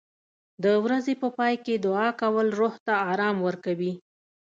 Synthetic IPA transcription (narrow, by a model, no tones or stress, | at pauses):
d̪əwɾazepəpɑjked̪ʊɑkawəlɾoht̪aɑɾɑmwəɾkawi